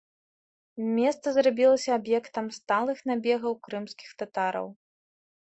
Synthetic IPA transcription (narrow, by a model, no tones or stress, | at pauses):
mʲɛst̪sɐzrabʲilˠɐsʲɐːbjɛkt̪ɐmst̪alˠɨxnabʲɛɣɐwkɾɨmskʲixt̪at̪aɾɐ̰w